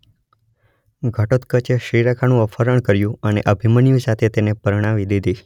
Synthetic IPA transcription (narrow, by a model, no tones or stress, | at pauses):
ɡʱəʈot̪kət͡ʃeʃɾiɾakʰanũəfʰəɾəɳ̃kəɾjũənḛʔəbʱimənjũsat̪ʰet̪enepəɾɳ̃aʋid̪id̪ʱi